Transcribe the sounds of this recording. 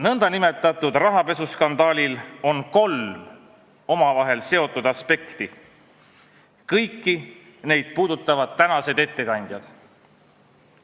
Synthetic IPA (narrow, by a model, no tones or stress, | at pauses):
nɤnd̪̥ɑnime̞t̪ːˑɑt̪ˑud̪̥rɑɦɑpe̞suskɑnd̪̥ɑːlʲilo̞nko̞lm | o̞mɑvɑɦe̞lse̞o̞t̪ːˑud̪̥ɑspe̞kt̪i | kɤjkˑːi | ne̞jd̪̥̚puːd̪ut̪ːˑɑvɑd̪̥̚t̪ːænɑse̞d̪e̞t̪ːe̞kɑnʲd̪̥jɑd̪̥